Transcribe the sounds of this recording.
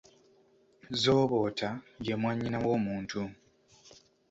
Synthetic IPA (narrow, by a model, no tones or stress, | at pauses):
zoːβo̞ːtʰaje̞mwaɲːinawo̞ːmuːntu